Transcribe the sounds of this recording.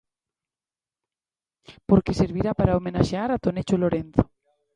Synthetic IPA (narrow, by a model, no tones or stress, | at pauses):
po̞ɾke̞se̞ɾβiɾapaɾaomẽnaʃeaɾat̪o̞net͡ʃolo̞ɾenθo̥